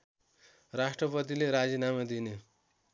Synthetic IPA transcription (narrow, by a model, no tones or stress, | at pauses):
rasʈrʌpʌt̪̬ileɾad͡zinamad̪ine